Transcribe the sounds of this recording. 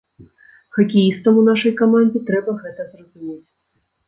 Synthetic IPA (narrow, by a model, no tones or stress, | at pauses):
xɐkʲijist̪ɐmunaʂɐjkamanʲd͡zʲɛt̪ɾɛbɐɣɛt̪ɐzrɐzumʲet͡sʲ